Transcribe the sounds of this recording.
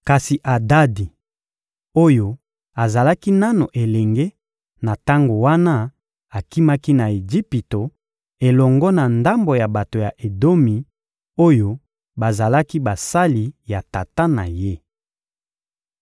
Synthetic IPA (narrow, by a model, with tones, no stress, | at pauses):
ka˨si˨ʔa˨da˦di˨ | o˦jo˨ | a˨za˨la˦ki˦na˦no˨ʔe˨lɛ˨ŋɡe˦ | na˨ta˦ŋɡo˨wa˦na˦ | a˨ki˦ma˦ki˦na˨e˨d͡ʒi˦pi˨to˨ | e˨lɔ˨ŋɡɔ˦na˨nda˦mbo˨ja˨ba˨to˨ja˨ʔe˨do˦mi˨ | o˦jo˦ | ba˨za˨la˦ki˦ba˨sa˦li˨ja˨ta˨ta˦na̰˨je˦